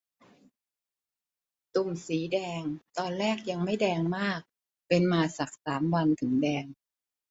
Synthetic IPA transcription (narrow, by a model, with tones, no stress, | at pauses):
t̪u˨˩msiː˩˦dɛː˧ŋt̪ɔː˧nlɛː˥˩k̚ja˧ŋma˥˩jdɛː˧ŋmaː˥˩k̚ | pe˧nmaː˧sa˨˩k̚saː˩˦mwa˧nt̪ʰɯ˩˦ŋdɛː˧ŋ